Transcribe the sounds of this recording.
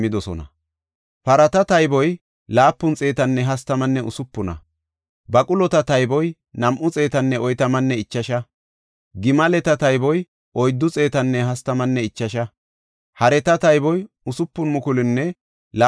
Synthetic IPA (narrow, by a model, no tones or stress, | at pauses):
ɪd̪ɔsɔ̰nɐ̰ | pɐɾɐt̪ɐt̪ɐjbɔj | laːpːʊnt͡sʼe̞ːt̪ɐnːɛɦɐst̪ɐmɐnːɛʔʊsʊpːʊnɐ̰ | bɐkʼʊlɔt̪ɐt̪ɐjbɔj | nɐmʔʊt͡sʼe̞ːt̪ɐnːɛɔjt̪ɐmɐnːɛɪt͡ʃːɐʃɐ | ɡɪmɐlɛt̪ɐt̪ɐjbɔj | ɔjd̪ːʊt͡sʼe̞ːt̪ɐnːɛɦɐst̪ɐmɐnːɛɪt͡ʃːɐʃɐ | hɐɾɛt̪ɐt̪ɐjbɔj | ʊsʊpːʊnmʊkʊlɪnːɛ | la